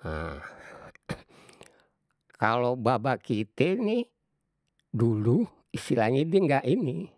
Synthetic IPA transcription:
a | kalobabakit̪ɛni | dulu | isilaŋit̪̚diŋɡaʔini

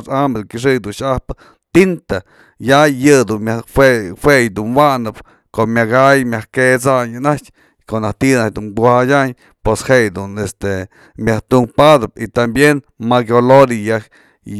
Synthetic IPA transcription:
sambekiʂ̬ɨjd̪unʃahpɨ̥ | t̪int̪a | jajɨd̪unmjaefwejd̪unwanɨp | komjaɡajmjahket͡saɲɨnat͡ʃ | konaht̪inad̪unbuhajʲaɲ | pweshejd̪unest̪e | mjaht̪uŋpad̪ɨp̚it̪ambjenmaɡjoloɾija

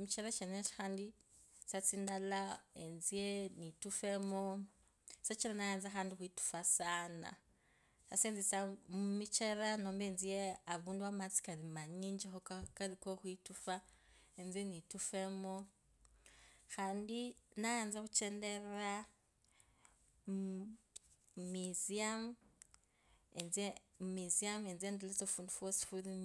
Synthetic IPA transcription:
mit͡ʃeɾat͡ʃeneti̥xaːndi | sat͡sindalaenzienitufemo | set͡ʃiɾanajaːnzaxaːndixwitu̥fasaːna̰ | saseːnzisamumit͡ʃeɾanoːmbenzijeaβuːnduwamat͡si̥kaɾimaɲiːɲd͡ʒexokakalikoxwitufaenzenitufemo | xaːndinajaːnzakut͡ʃendeɾa | miziam | enze | miziamenzendelezofuːndufwosi̥fuɾin

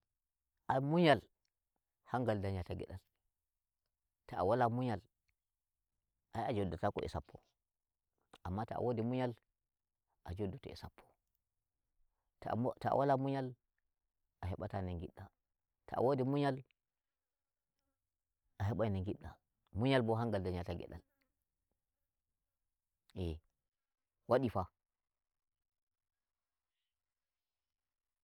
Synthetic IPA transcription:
ʔamuɲal | haŋɡaldaɲjataɡɛ̰ɗal | taa̰walamuɲal | ʔajad͡ʒodatakɔ̰ʔḭsapʰːɔ | ʔamːata̰a̰wʔodimuɲal | ʔad͡ʒodːutɔ̰ḭsapʰːɔ̥ | ttaa̰walamuɲal | ʔaɦɛɓatanaŋɡḭɗːa | ta̰a̰wodimuɲal | ʔaɦɛɓajnaŋɡiɗːa̰ | muɲalbɔɦaŋɡaldaɲataɡɛ̰ɗa̰l | ɛ | waɗifa

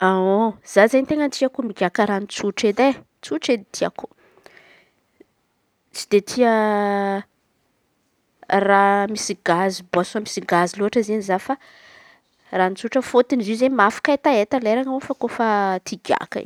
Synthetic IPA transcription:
aoz̥azajnt̪eŋənt̪iakumiɡʲakəɾanit͡suʈ͡ʂed̪e | t͡suʈ͡ʂed̪t̪ʰia̰ku̥ | t͡si̥d̪et̪ʰiə | ramisiɡazibɔsamisiɡaziluaʈ͡ʂəzenizafa | ranit͡suʈ͡ʂəfot̪inizizemafḁkaet̪aet̪aleɾaŋofakofat̪ʰiɡʲja̰kə̰ḭ

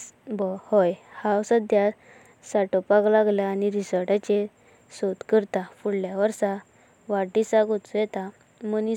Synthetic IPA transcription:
bɔhɔjhawsad̪ja | saʈɔpaklaɡlaːniɾisəɾʈat͡ɕe | sot̪kəɾt̪afuɽljaʋəɾsa | ʋaʈisaɡot͡sjɛt̪a | məni

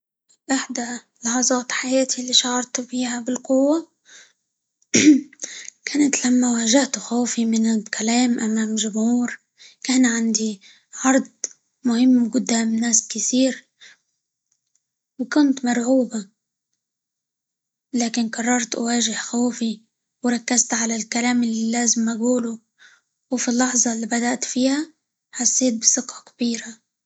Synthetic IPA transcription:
ʔɪħd̪a | lɑħɑzˤɑːt̪ħajaːt̪ʰilːiːʃɑʕɑɾˤt̪fiːhabɪlqʊwːa | kaːnat̪lamːawaːʒaht̪xoːfimɪnɪlkalaːmʔamaːmʒʊmhuːɾ | kaːnʕand̪i | ʕɑɾˤd̪̚ˤ | mʊhɪmːwɡʊd̪ːaːmnaːskɪt̪iːɾ | wkʊnt̪mɑɾˤʕuːba | laːkɪnkɑrˤːɑɾˤt̪ʔʊ̰waːʒɪhxoːfi | wɾˤɑkːazt̪ʕalalkalaːmɪlilaːzɪmʔaɡuːlu | wfilːɑħzˤɑlːiːbad̪aʔt̪fiːha | ħasːeːt̪̚bɪsɨqɑkḁb̥iːɾa

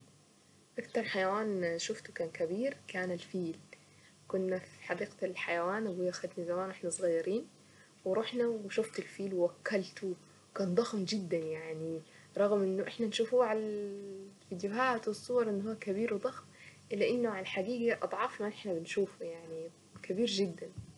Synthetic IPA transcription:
ʔakt̪ɑɾˤħajawaːnʃʊft̪u̥kaːnkabiːɾkaːnalfiːl | kʊnːafiħɑd̪iːqalħajawaːnʔɪɡuːlʔaxad̪nizamaːnʔɪħnasˤɣɑjːɑɾiːn | wɪɾˤuħnawʃʊft̪alfiːlwɪwakːalt̪u | kaːnd̪ˤɑxmd͡ʒɪd̪ːanjaʕni | ɾˤɑɣmʔɪnːʊʔɪħnanʃuːfuːʕal | fiːd̪jʊɦaːt̪wɨsˤːuwɑɾˤʔɪnːɦuːakabiːɾwɪd̪ˤɑxm | lːɪʔɪnːʊʕalaħaɡiːɡaʔɑ̰d̪ˤʕɑːfmaʔɪħnabɪnʃuːfujaʕni | kabiːɾd͡ʒɪd̪ːan

